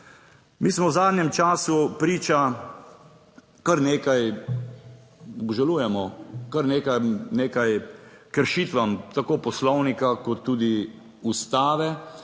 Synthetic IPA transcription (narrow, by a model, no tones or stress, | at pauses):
miːsmɔwzaːd̪njɛmt͡ʃaːsupɾiːt͡ʃa | kaɾneːkaj | ɔbʒaluːjɛmɔkaɾneːkajmneːkajkəɾʃiːt̪ʋamt̪akoːpɔslɔwnikakɔt̪ːuːd̪i | ust̪aːʋɛ